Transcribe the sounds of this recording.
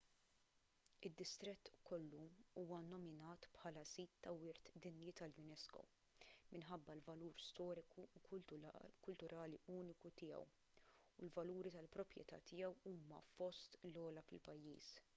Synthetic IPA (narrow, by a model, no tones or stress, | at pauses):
ɪd̪ːɪst̪ɾɛt̪ːkɔlːuuːwɐnɔmɪnɐːt̪pħɐːlɐsiːt̪ːɐwɪɾt̪d̪ɪnjit̪ɐljʊnɛskɔ̰ | mɪnħɐbːɐlvɐluːɾst̪ɔːɾɪku | kʊlt̪ʊɾʔɐːliuːnɪkut̪ɪːɛ̰w | ulvɐluːɾit̪ɐlpɾɔpɾjɛ̰t̪ɐ̰t̪ɪjɛwuːmɐ̰fɔst̪lɔːlɐfɪlpɐjːḭːs